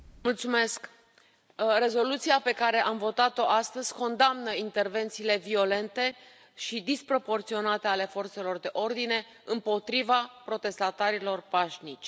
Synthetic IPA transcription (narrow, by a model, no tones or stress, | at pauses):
mult̪sume̞sk | re̞zo̞lut̪siape̞kaɾe̞ʔamvo̞t̪at̪o̞ʔast̪əz̥ʲko̞nd̪amnəint̪erve̞nt̪siːle̞vio̞le̞nt̪e̞ | ʃid̪ispɾo̞po̞rt̪sio̞nat̪e̞ale̞fo̞rt̪se̞lo̞rd̪e̞ʔo̞rd̪ine̞ | ɨmpo̞t̪ɾivapɾo̞t̪e̞st̪at̪aɾilo̞rpaʃnit͡ʃʲ